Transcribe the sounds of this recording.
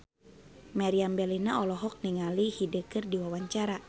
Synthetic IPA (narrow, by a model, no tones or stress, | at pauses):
maɾiambɛlinaɔlɔɦɔk̚niŋalihidəkɨrdiwawaɲt͡ʃaɾa